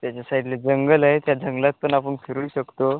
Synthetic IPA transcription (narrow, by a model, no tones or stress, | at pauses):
t̪jat͡ɕasaiɖled͡zəŋɡəlaɦet̪jad͡zəŋɡlat̪̚pəɳapəɳkʰiɾujɕəkt̪o